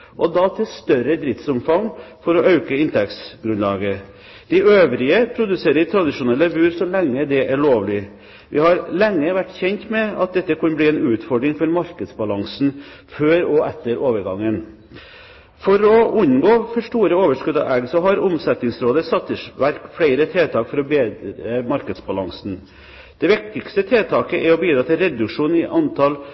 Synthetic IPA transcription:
ʔɔd̪ɑt̪ʰɪlst̪œɾəd̪ɾɪft̪sʊmfɑŋfɔɾɔʔɑʉkəɪnt̪ʰɛksɡɾʉnlɑːɡə | d̪̥ɪʔøːʋɾɪəpʰɾʊd̪ʉseːɾət̪ʰɾɑd̪ɪʂʊnɛlːəbʉːɾsɔlɛŋːəd̪ɛʔæɭoːʋlɪ | ʋʔɪhɑɾlɛŋːəʋæʈːçɛnt̪mɛɑ̰t̪̚d̪ɛt̪ːəkʰɑnbliːɛnʉːt̪fɔɖɾɪŋfɔɾmɑɾkəd̪sbɑlɑŋsn | føːɾɔɛt̪ːəɾʔoːʋəɾɡɑŋːən | fɔɾɔʉnɡoːfɔʂʈuːɾəoːʋəʂkʉd̪ɑ̰æɡsɔɦɑɾʊmsɛt̪nɪŋsɾoːd̪əsɑt̪ːəʂʋæɾkfɽæɪɾət̪ʰeːt̪ʰɑːkfɔɾɔbeːd̪ɾəmɑɾkəd̪sbɑlɑŋsn̩ | d̪̥ɛʋɪk̚t̪ɪkst̪ət̪ʰeːt̪ʰɑːkəʔɛɾɔbiːd̪ɾɑːt̪ɪlɾɛd̪ʉkʂuːnɪʔɑnt̪ʰɑl

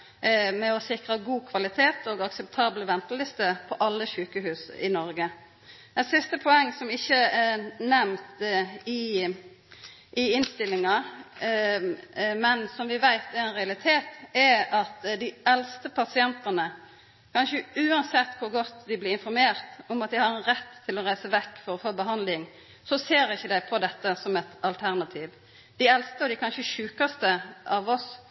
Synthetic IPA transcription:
mɛɔsɪkʁəɡuːkʰʋɑlɪt̪ʰeːt̪ʰoːɡɑksɛp̚t̪ʰɑːbləʋɛnt̪əlɪst̪əpʰɔʔɑlːəçʉːkəɦʉːsɪnɔɾɡə | ɛsɪst̪əpʰɔɛŋːsɔmɪçːəɛnɛmt̪ɪ | ʔɪɪnst̪ɪlɪŋɑ | mɛnsɔmʋɪʋæɪt̪ɛɾɛnʁɛɑlɪt̪ʰeːt̪ɛɑt̪d̪ɪɛlst̪əpʰɑsɪɛnt̪ɑnə | kʰɑnʃəʉːɑnsɛt̪ːkʰʊɾɡɔt̪ːd̪ɪblɪɾɪnfɔɾmeːɾt̪ɔmɑt̪̚d̪ɪhɑɾɛnɾɛt̪ʰːɪlɔɾæɪsəʋɛkːfɔɾɔfoːbəɦɑnd̪lɪŋ | sɔseːɾɪçːəd̪æɪpʰɔd̪ɛt̪ːəsɔmɛt̪ɑlt̪ʰæɾnɑt̪ʰiːʋ | d̪̥ɪɛlst̪əɔd̪ɪkʰɑnʃəʃʉːkɑst̪əʔɑʋɔs

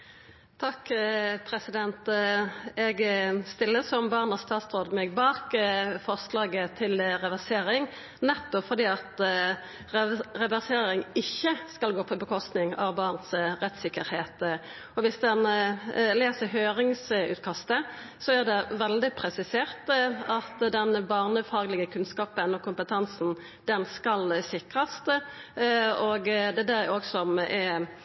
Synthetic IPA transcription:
t̪ʰɑkːpʰɾɛsɪd̪ɛnt̪ | ɛɡst̪ɪlːəsɔmbɑʁnɑst̪ɑːt̪sʁoːd̪mɛɡ̚bɑːkfɔʁslɑːɡət̪ʰɪlʁɛʋæʁseːɾɪŋ | nɛt̪ːɔpfɔʁd̪iːɑt̪ | ʁɛʋæʁseːɾɪŋɪçːəskɑlɡoːpʰɔbəkʰɔst̪nɪŋɑ̰ʋbɑːʁnsʁɛt̪sɪkːəɾheːt̪ | ɔʋɪsd̪ɛnleːsəɦøːʁɪŋsʉ̰ːt̪kʰɑst̪ə | sɔæʁd̪ɛʋɛld̪ɪpʰɾɛsɪseːʁt̪ɑt̪d̪ɛnbɑːʁnəfɑːɡlɪɡəkʰʉnskɑːpənɔkʰʊmpət̪ʰɑnsn̩ | d̪̥ɛnskɑlsɪkʁɑst̪ | ɔɡd̪ɛd̪ɛoːɡsɔmɛ

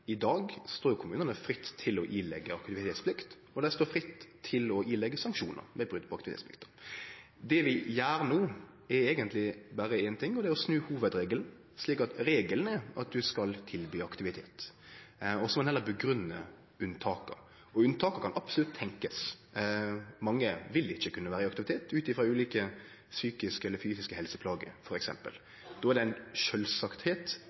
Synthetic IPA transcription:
ɪd̪ɑːɡst̪oːɾjʊkʰʊmʉːnənəfɾɪt̪ʰːɪlɔʔilɛ̰ɡːəɑkt̪ɪʋɪt̪ʰeːt̪spʰlɪkt̪ | ɔd̪ɛst̪oːfɾɪt̪ʰːɪlɔʔiːlɛɡːəsɑŋkʂṵːnə̰ɾmɛbʁʉd̪̚pʰɔɑkt̪ɪḛsplɪ̰kt̪ | d̪ɛʋɪjæːɾnuː | ɛeːɡənt̪lɪbæɾəɛnt̪ʰɪŋːɔd̪ɛɔsnʉːhuːʋəd̪ɾeːɡəln̩ | ʂliːkɑt̪ɾeːɡəln̩ɛʔɑ̰t̪̚d̪ʉskɑlt̪ʰɪlbyːɑkt̪ɪʋɪt̪ʰeːt̪ | ɔsɔmɑnhɛlːəɾbəɡɾʉnːə | ʉnt̪ʰɑːkə̰ɾ | ɔʉnt̪ʰɑːkəɾkʰɑnʔɑbsəlʉt̪ʰːɛŋkəs | mɑŋːəʋɪlɪçːəkʰʉnːəʋæːɾəɪɑk̚t̪ɪʋɪt̪ʰeːt̪ʉːt̪ɪfɾʁɑʉːliːkə | syːkɪskəɛlːəɾfyːsɪskəhɛlsəpʰlɑːɡə̰ɾfɔɾɛksɛ̰mpə̰l | d̪ɔːæɾd̪ɛɪnʃœlsɑkt̪heːt̪

